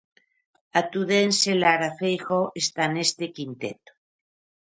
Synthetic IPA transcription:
at̪uðenselaɾafejxoʔest̪anest̪ekint̪et̪o̥

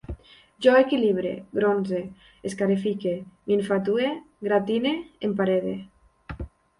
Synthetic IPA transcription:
ʒɔekiliβɾḛɡɾonze | eskaɾifikemieɱfat̪̬ue | ɡɾat̪ineempaɾeðḛ

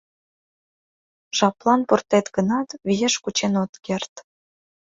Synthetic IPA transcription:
ʃɑplˠɑnport̪et̪ɡə̆nɑt̪βijeʃkut͡ɕenot̪kert̪

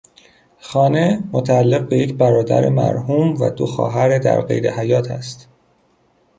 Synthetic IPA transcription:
xɒːne̞mot̪ʰæælːeɣ̚beje̞cʰbæɾɒːd̪æ̰ɾemæ̰ɾhuːmvæ̰d̪oxɒ̰ːɦæɾed̪æ̰ɾɢe̞̰jɾe̞̰hæjɒːt̪ʰæst̪

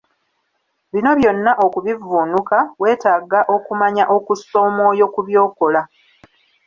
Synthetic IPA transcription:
βino̞βjo̞nːaʔo̞kuβivuːnukawe̞ːtaːɡaʔo̞kumaɲaʔo̞kuso̞ːmo̞ːjo̞kuβjo̞ːko̞la

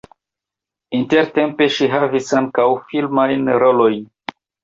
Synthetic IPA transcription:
inte̞ɾte̞mpe̞ʃiɦavisaŋkawfilmajnɾo̞lo̞jn

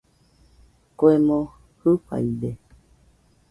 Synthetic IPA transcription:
koemõ | hɨɸa̰ide

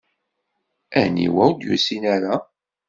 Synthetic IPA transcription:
ænḭwæwd̪jṵsinaɾa

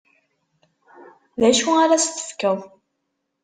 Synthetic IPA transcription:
ðæʃuaɾæsθə̥fkæw

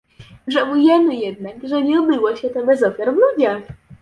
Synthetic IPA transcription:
ʐɛvujɛmɘjɛd̪nakʐɛɲɛubɘwɔɕɛt̪ɔbɛzɔfʲjaɾvlud͡ʑax

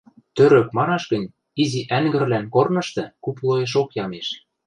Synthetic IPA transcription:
t̪øɾø̆kmɑnɑʃɡə̆nʲ | iziʔæŋɡɘ̆rlænkornɤ̆ʃt̪ɤ̆kuplˠojeʃ̬okjɑmeʃ

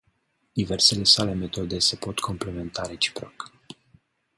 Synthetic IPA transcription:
d̪̥iverse̞le̞sale̞met̪o̞d̪e̞se̞po̞t̪kʰo̞mple̞me̞nt̪aɾe̞t͡ʃi̥pɾok

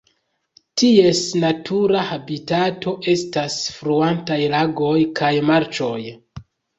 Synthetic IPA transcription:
tie̞snatʰuɾahabitato̞ʔe̞stasfɾuantajlaɡo̞jkʰajmaɾt͡ʃo̞j

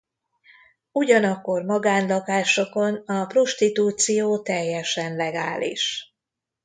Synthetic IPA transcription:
uɟɒnɒkːo̞rmɒɡaːnlɒkaːʃo̞ko̞nɒpro̞ʃt̪it̪uːt̪sijoːt̪ɛjːɛʃɛnlɛɡaːlḭʃ

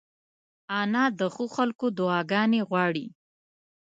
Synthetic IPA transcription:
ɑnɑd̪əxoxalkod̪ʊɑɡɑneɣwɑɽi

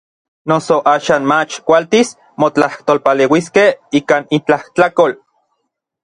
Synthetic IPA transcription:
nosoʔaːʃaːnmat͡ʃkʷalt̪is | mot͡ɬaht̪oːlpaleːwiskehiːkaːnint͡ɬaht̪akol

